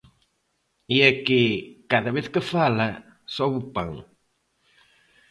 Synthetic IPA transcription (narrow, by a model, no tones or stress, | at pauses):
iekekaðɐβeθkɪfalɐ | sɔβupã̰ŋ